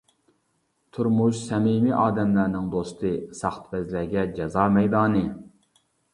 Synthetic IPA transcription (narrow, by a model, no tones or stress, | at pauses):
t̪ʰuɾmuʃsɛmimiʔɑːd̪ɛmlæɾnɪŋd̪ost̪ɨsɑχt̪ʰvɛzlæɡʲɛd͡ʒɛzɑːmɛjd̪ɑːnɨ